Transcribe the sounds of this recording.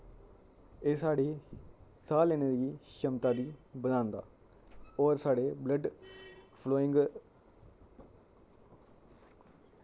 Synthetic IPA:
eːsaːɖeːsaːlːeːneːɾiːʃəmt̪aːd̪iːbəd̪ãːnd̪a̰ː | ɔːɾsaːɖeːbləɖ | pʰloːɪ̃ŋɡ

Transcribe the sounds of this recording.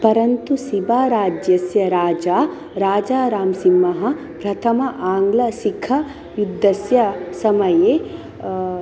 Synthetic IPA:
pɐɾɐnt̪usibaːɾaːd͡ʒjɐsjɐɾaːd͡ʒaː | ɾaːd͡ʒaːɾaːmsimːɐɦɐ̆ | pɾɐt̪ʰɐmɐʔaːŋɡlɐsikʰːɐ | jud̪ʱːɐsjɐsɐmɐjeː

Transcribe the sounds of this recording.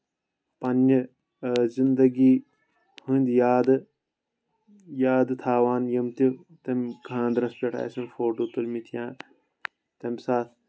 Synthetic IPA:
pɐnːɨ | zind̪ɐɡiː | hɨ̃ːnʲd̪jaːd̪ɨ | jaːd̪ɨt̪ʰaːʋaːnjɐmt̪i | t̪emɡʰʱãːnd̪ɾɐspʲeʈʰa̰ːsɐnfoːʈoːt̪ulmit̪ʰijãː | t̪emsaːt̪ʰ

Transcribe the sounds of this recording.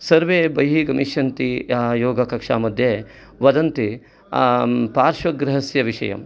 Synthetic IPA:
sɐɾʋeːbɐjɦiɡɐmiʃjɐnt̪ijoːɡɐkɐkʂa̰ːmɐd̪ʱjeː | ʋɐd̪ɐnt̪i | paːɾʂʋɐɡɾɪɦɐsjɐʋiʂɐ̰jɐ̰m

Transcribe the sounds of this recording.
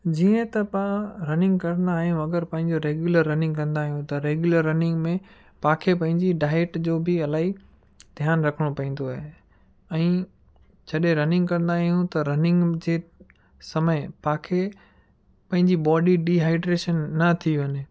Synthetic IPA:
d͡ʑiːə̃t̪ɐpaɾɐnɪ̃ŋɡ̚kɐɾə̃nd̪aːɦijũɐɡəɾpɐ̃ɦɪ̃ɲd͡ʑoɾeːɡjuləɾːɐnɪ̃ŋɡkɐ̃nd̪aːɦijũt̪ɐɾeːɡjʊləɾːɐnɪ̃ŋɡmẽ | pãːkʰepɐ̃ɦɪ̃ɲd͡ʑiɖaːɪeʈd͡ʑoːbɪɐlaːɦi | d̪ʱjaːnɾɐkʰəɽ̃opɐĩːn̆d̪oaːɦe | ɛ̃ː | t͡ɕʰɐɗeɾɐnɪ̃ŋɡkɐ̃ɾ̃ə̃nd̪aːɦijũt̪ɐɾɐnɪ̃ŋɡd͡ʑeː | sɐməɪpãːkʰe | pɐ̃ɦɪ̃ɲd͡ʑibɔːɖiɖiɦaːɪɖɾeːʃənːɐt̪ʰiʋɐɲe

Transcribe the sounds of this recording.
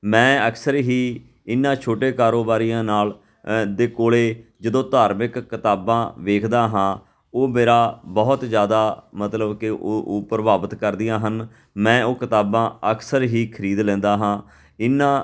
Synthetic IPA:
mɛ̃ːəksəɾɦiː | ɪnːãːt͡ʃʰoːʈeːkaːɾoːbaːɾijãːnaːl | d̪eːkoːɭeːd͡ʒəd̪õːt̪aːɾmɪkːɪt̪aːbãːʋeːkʰd̪aːɦãː | oːmeːɾaːbɔːt̪zjaːd̪aːmət̪ləbkɪoʔoːpɾəbaːbət̪kəɾd̪ɪjãːɦən | mɛ̃ːoːkɪt̪aːbãːəksəɾɦiːkʰəɾiːd̪lɛ̃ːnd̪aːɦãː | ɪnːãː

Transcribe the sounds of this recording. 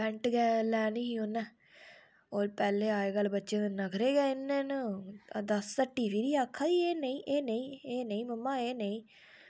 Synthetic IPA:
bɛ̃ɳʈɡɛːlɛːnĩːoːnːɛː | oːɾpɛːleːaːeːɡəlbətːʃeːnəkʰɾeːɡɛːɪnːẽːnəd̪əsːəʈːiːbiːɾiːaːkʰːaːieːnəĩːʔeːnəĩːeːnəĩːməmːaːeːneĩː

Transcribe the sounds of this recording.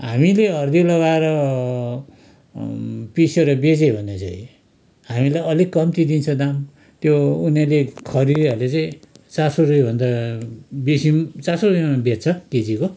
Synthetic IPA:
ɦamileʌrd̪ilʌɡaeɾʌ | piseɾʌbed͡zebʱʌnet͡sa̰ĩ | ɦamilajʌlikʌmt̪id̪int͡sʰʌd̪am | t̪jounelekʰʌɾid̪iʌrlet͡saĩt͡sarsoɾujbʱʌnd̪a | besimt͡sasoruimabett͡sʰʌked͡ziko

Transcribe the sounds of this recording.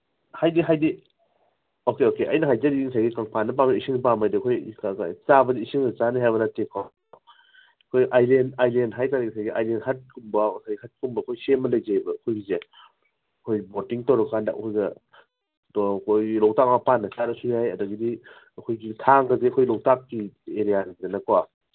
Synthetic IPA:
hajdiɦajdi | okeokeʔɐ̰jnɐɦajzadiiŋsʰajɡikaŋpʰanːɐp̬ameisʰiŋipamajdikʰoj̰t͡ʃabɐdiisiŋɐt͡ʃaniɦajbɐnatekʰa | ɐkʰojʔajlenajlenɦajtaɾisʰajɡiajlenhɐt̚kumbawsajɡihɐt̚kumbɐɐkʰojsemɐlɐjzajbɐːkʰojɡize | ɐkʰojbotiŋtawɾɐkkandɐʔɐ̰kʰojɡɐ | dkʰojɡilowtak̚mapanːɐt͡ʃaɾɐsunajɐdɐɡidi | ɐkʰojɡitʰaŋkazeɐkʰojlowtak̚kieɾijazɐnɐkwa

